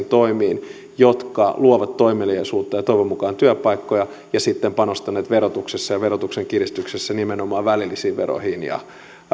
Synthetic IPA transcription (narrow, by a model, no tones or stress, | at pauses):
nt̪oimiːn | jot̪kɑluoʋɑt̪ːoimeliesuːt̪ːɑjɑt̪oiʋemːukɑːnt̪yæpɑikːojɑ | jɑsit̪ːempɑnost̪ɑneːt̪ʋerot̪uksesːɑjɑʋerot̪ukseŋkirist̪yksesːænimenomɑːʋʋælilːisiːʋʋero̰hinjɑ̰